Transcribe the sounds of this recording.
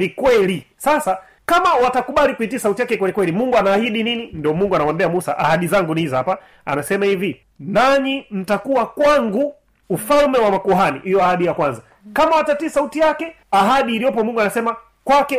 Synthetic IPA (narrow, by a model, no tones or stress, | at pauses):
likwɛlisasa | kamawatakuɓalikuitiasautijakɛkwɛlikwɛlimuŋɡuanaːhiɗininindiɔmuŋɡuanawambiamusaʔa̰haɗizaŋɡuniizhapa | a̰nasɛmahivi | naɲim̩takuwakwaŋɡu | ufalmɛwamakuɦanḭhijɔahaɗijakwanza | kamawatatisautijakɛ | aɦaɗiːlijɔpɔmuŋɡuanasɛma | kwakɛ